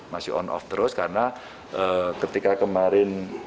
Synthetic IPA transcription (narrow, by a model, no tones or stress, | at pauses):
masɪhɔ̰nɔ̰ft̪ɾʊskaɾəna | ʔəkət̪ikakəmaɾɪn